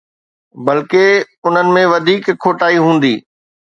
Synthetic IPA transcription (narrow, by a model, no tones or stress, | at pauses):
bɐlke | ʊn̤ənɪ̆mẽʋɐd̪ʱiːkʰːoːʈaːiɦũːn̆d̪iː